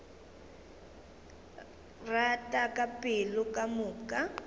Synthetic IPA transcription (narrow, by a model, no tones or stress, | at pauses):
ratʼakʼapʼɪlʊkʼamʊːkʼa